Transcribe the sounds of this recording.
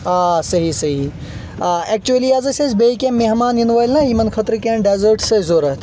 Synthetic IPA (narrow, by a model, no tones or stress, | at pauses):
aːsɐɦisɐɦi | ɛk̚t͡ʃuɐliɐzɐsʲezbeikʲẽmmːeɦmaːninʋaːlnɐjimɐnkʰɐt̪ɾɨkẽːɳɖeːzəɾʈsɐzoːɾɐɦt̪ʰ